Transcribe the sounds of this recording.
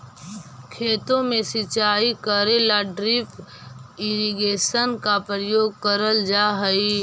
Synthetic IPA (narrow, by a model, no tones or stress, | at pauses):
kʰeːt̪õmẽsɪt͡ʃaːikəɾelaɖɾɪp | ɪɾiɡeːʃənkapɾəjoːɡ̚kəɾəld͡ʒaːɦəi